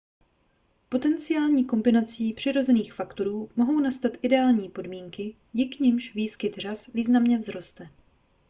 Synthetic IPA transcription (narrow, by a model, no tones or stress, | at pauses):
po̞t̪ɛnt͡sɪjaːlɲiːko̞mbɪnat͡siːpr̝̥ɪɾo̞zɛniːxfakt̪o̞ɾuːmo̞ɦo̞wnast̪at̪ʔɪdɛaːlɲiːpo̞dmiːŋkɪ | jɪkɲɪmʃviːskɪt̪r̝asviːznamɲɛvzɾo̞st̪ɛ